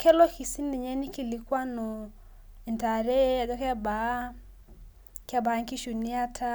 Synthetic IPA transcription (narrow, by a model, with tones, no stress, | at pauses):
kɛ˦lɔ˦ki˨si˦ni˨ɲɛ˦ni˦ki˨li˨kwa˦nɔ˨ | ɛ˨nta˨ɾɛ˦a˨ɡɔ˦kɛ˦a˦ba˨˦ | ka˦ba˨˦ŋki˦ʃu˨ni˦a˦tʰa˦